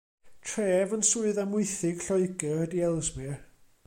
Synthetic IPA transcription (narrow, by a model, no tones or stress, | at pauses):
tʰreːvənsuɨðamʊɨθɪɡ̥ɬɔɨɡɛhədiɛlˠzmi